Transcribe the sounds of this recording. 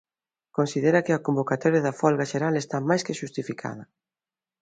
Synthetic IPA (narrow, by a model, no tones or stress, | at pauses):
kõnsiðeɾɐkɪɐkombokat̪ɔɾjɐðɐfɔlɣaʃeɾalest̪amajskɪʃust̪ifikʰa̰ð̞ɐ